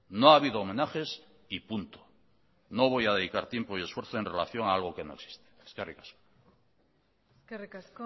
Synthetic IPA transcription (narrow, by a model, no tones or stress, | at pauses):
noaβ̞iðoːmẽ̞naxe̞s | ipunt̪o | no̞β̞o̞jaðe̞ðikaɾt̪jempoie̞sfwe̞ɾθoe̞nrelaθjo̞ŋaalɣ̞o̞ke̞noe̞ksi̥st̪e̥skarikḁsko̥ | rka